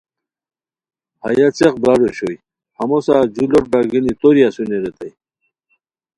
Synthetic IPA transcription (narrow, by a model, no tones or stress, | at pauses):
ba̰jat͡seqbɾaɖoɕoj | hɐmosaːd͡ʑuloʈ̚baɡinit̪oɾiasuneɾet̪aj